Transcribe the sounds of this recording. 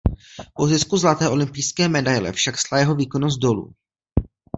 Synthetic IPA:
pozɪskuzlat̪ɛːʔo̞lɪmpijskɛːmɛdajlɛ̰fʃakslajɛɦo̞viːko̞nos̬t̪̚do̞lṵː

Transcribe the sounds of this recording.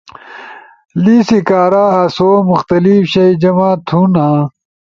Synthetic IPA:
liːsikaːɾaːɐsoːmuxt̪ɐlifɕɐjd͡ʑɐmaːt̪ʰunãː

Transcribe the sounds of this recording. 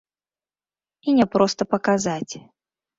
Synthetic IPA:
inʲɛpɾɔst̪ɐpɐkazat͡sʲ

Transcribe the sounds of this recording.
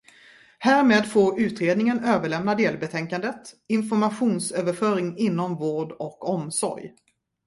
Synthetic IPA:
hæːɾmeːd̪foːɾʉ̟ːt̪ɾeːd̪nɪŋənøːvəɭɛmnad̪eːlbɛt̪ʰɛŋkand̪ət̪ɪnfɔɾmaɧuːnsøːvəɾfœːɾɪŋɪnːɔmvoːɖɔkɔmsɔ̰ɾj

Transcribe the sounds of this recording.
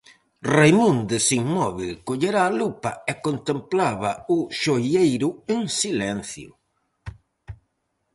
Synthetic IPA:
rejmũnd̪esiŋmɔβilkoʎeɾaːlupaɛkont̪emplaβɐʊʃojejɾʊeŋsilɛnθjʊ̰

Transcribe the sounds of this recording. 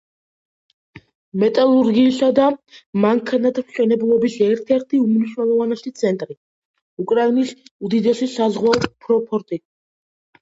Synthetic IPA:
mɛt̪ʼalˠuɾɡiːsad̪amaŋkʰanat̪ʰmʃɛnɛbulˠɔbisɛɾt̪ʰɛɾt̪ʰiumniʃnɛlˠɔvanɛsit̪sʰɛnt̪ʼɾi | ukʼɾainisud̪id̪ɛsisazʁwaɔt̪pʰɾɔpʰɔɾt̪ʼi

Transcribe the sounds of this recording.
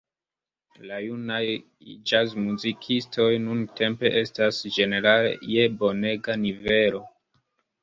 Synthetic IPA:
lajunaj | d͡ʒazmuzikʰistʰo̞jnuntʰe̞mpe̞ʔe̞stasd͡ʒe̞ne̞ɾalḛje̞bo̞ne̞ɡanive̞lo̞

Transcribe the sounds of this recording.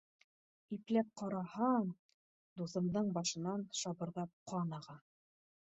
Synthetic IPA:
iplæp̚qɒɾɑhɑɴ | d̪uθɤ̆md̪ɤɴbɒʃɤ̆nɑnʃɑbɤ̆ɾðɑp̚qʰɑnɑʁɑ

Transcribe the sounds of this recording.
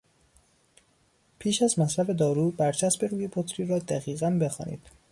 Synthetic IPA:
pʰiːʃæzmæslæfe̞d̪ɒːɾuːbæɾt͡ʃʰæsbe̞ɾuːjebot̪ʰɾiːɾɒːd̪æɣiːɣænbe̞xɒ̰ːnḭːd̪̥

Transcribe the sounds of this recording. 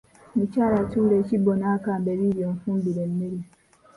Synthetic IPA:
nit͡ʃaɾatuɾet͡ʃibɔnakambɛβiɾiɔmfũmbiɾelmiɾi

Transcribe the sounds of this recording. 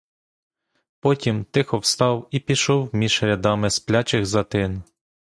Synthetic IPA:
pɔtʲimt̪ɪxɔwst̪ɑwipʲiʃɔwmʲi̥ɾʲɐd̪ɑmɪsplʲɑt͡ʃɪxzɐt̪ɪn

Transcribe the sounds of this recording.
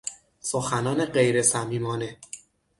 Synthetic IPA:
soxænɒːne̞ɢe̞jɾe̞sæmiːmɒːne̞

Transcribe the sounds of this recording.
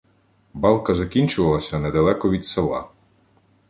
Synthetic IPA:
bɑlˠkɐzɐkʲinʲt͡ʃʊʋɐlˠɐsʲɐnɛd̪ɐlˠɛkɔʋʲid̪selˠɑ̰

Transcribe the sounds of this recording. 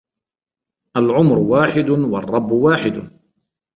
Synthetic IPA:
ʔalʕʊmɾʊwaːħɪd̪wɑrˤːɑbːwaːħɪd̪

